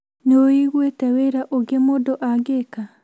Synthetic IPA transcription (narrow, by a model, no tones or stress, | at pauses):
noiɣwetɛweɾaʔoɡemoːdoʔaɡeka